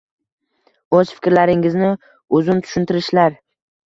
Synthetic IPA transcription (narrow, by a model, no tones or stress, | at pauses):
ɵz̥fɪ̥kʲɾlaɾɪŋɪznɪ | ʊzʊnt̪ʰʊ̥ʃʊnt̪ʰɪɾɪʃlaɾ